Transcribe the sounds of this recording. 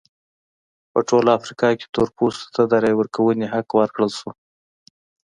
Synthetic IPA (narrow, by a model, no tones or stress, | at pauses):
pəʈolafɾikɑke̥t̪uɾpust̪t̪ad̪aɾɑjwəɾkawəneɦaqwəɾkɽəlʃu